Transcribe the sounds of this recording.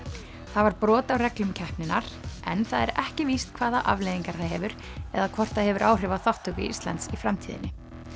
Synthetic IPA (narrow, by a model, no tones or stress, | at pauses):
θavaɾpɾɔːt̪awrɛklʏmcʰɛhpnɪnaɾ̥ʔɛnθaðɛɾɛhcɪvist̪kʰvaːðaʔa̰vlejðiŋkaɾ̥θaðɦɛvʏɾ̥ | ɛ̰ðakʰvɔr̥t̪aðhɛvʏɾʔaːwr̥ɪvaθɔht̪ʏkvɪ̰ist̪la̰nt̪sifɾamt̪ʰiːðɪ̰nːɪ